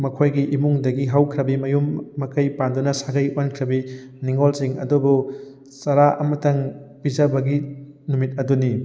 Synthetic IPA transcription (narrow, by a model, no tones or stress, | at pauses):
mɐkʰojɡiʔimuŋdɐɡiɦawkʰɾɐbimɐjumːɐkɐjpandunɐsaɡɐjankʰɾɐbi | niŋolsiŋɐ̰dubu | sɐɾaʔɐmɐtɐŋpizɐbɐɡi | numit̚ɐduni